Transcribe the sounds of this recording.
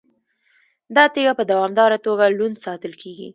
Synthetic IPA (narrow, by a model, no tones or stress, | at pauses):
d̪ɑt̪eɡapəd̪awɑmd̪ɑɾat̪oɡalund̪sɑt̪əlkʰeɡḭ